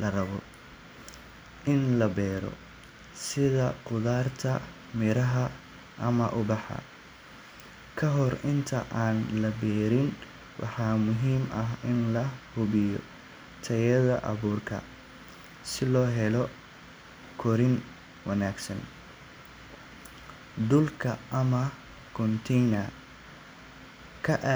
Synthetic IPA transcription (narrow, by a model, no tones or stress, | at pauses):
lɐrɐβɔ | ʔɪnlɐbɛːɾɔ̰ | sɪðɐqʊðaːrt̪ʰɐ | mɪɾɐɦɐ | ʔɐmɐʔʊbɑħɐ̰ | kʰɐɦɔrɪnt̪ʰɐ̰ʔaːnlɐbɛːɾɪn | wʔɑ̰ħɑːmʊɦiːmɐɦɪnlɐhʊβɪjɔ̰ | t̪ʰɐjɐðɐ̰ʔɐ̰βuːrkʰɐ̰ | sɪlɔːɦɛlɔ | kʰɔɾɪn | wɐnaːɡsɐn | d̪ʊlkʰɐʔɐmɐ | kʰɔnt̪ʰɛjnɐ | kʰɐʔ